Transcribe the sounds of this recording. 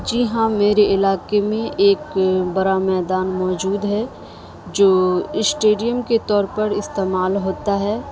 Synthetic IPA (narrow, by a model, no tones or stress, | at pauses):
d͡ʒɪɦãmeːɾeɪlaːkemẽʔeːkbɐɾamɛːd̪aːnmɔːd͡ʒuːd̪ɦɛ | d͡ʒoːɪsʈeːɖijəmket̪ɔːɾpɐɾɪst̪eːmaːlɦoːt̪aɦɛː